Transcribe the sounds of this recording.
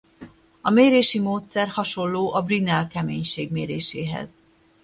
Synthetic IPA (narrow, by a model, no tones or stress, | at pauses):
ɒmeːɾeːʃimoːt̪sɛrhɒʃo̞lːoːʔɒbrinɛlkɛmḛːɲʃeːɡmeːɾeːʃeːɦɛ̰z